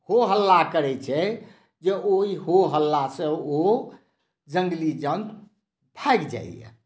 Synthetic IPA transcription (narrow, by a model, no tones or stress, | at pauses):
hoɦəlːakəɾɛt͡ʃʰɛ | d͡ʒeoiɦoɦəlːasẽo | d͡ʒəŋɡlid͡ʒənd̪ | bʱaɡd͡ʒa̰ḭjḛ